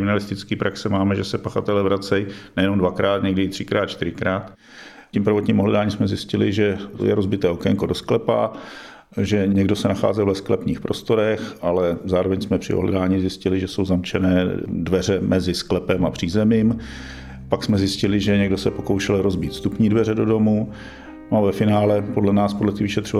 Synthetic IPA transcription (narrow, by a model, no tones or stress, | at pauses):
ɪmɪnalɪst̪ɪt͡skiːpɾʔaksɛmaːmɛʒɛsɛpaxat̪ɛlɛvɾat͡sɛjnɛjɛnomdvakɾaːt̪ɲɛɡdɪɪt̪r̝̥ɪkɾaːt̪t͡ʃt̪ɪɾɪkɾaːt̪ | cimpɾavot̪ɲiːmoɦlɛdaːɲiːmsmɛzjɪscɪlɪʒɛ̰jɛ̰ɾozbɪt̪ɛːokɛŋkodo̞sklɛpa̰ | ʒɛɲɛɡdo̞sɛnaxa̰ːzɛlvɛsklɛpniːxpɾo̞st̪o̞ɾɛxʔalɛzaːɾovɛɲsmɛpr̝̥ɪ̰ʔoɦlɛ̰daːɲizjɪscɪlɪʒɛso̞wzamt͡ʃɛnɛːdvɛr̝ɛmʔɛzɪsklɛpɛmapr̝̥iːzɛmiːm | paksmɛzjɪscɪlɪʒɛɲɛɡdo̞sɛpo̞kowʃɛlɾozbiːt̪st̪upɲiːdvɛrɛdo̞do̞mu | novɛfɪnaːlɛpodlɛnaːspodlɛt̪ɪvɪʃɛt̪r̝ova